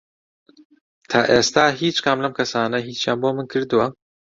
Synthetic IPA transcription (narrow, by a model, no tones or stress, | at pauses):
t̪ʰaːʔeːst̪aːɦiːt͡ʃkʰaːmlɐmkʰɐsaːnɐɦiːt͡ʃjaːnboːmɨnkʰɨɾd̪uwɐ